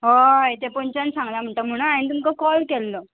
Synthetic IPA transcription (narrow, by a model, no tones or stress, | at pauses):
ɦojt̪epoɲt͡ɕansãŋɡljam̤əɳʈ̪əm̤əɽ̃ũnaɽ̃it̪̬umkəkɔlkɛlːo